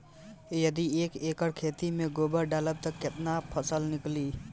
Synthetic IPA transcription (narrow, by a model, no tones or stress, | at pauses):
jəd̪iekekəɽkʰeːt̪imeɡobəɾɖaːləb̚t̪əkɪt̪napʰəsəlnɪkli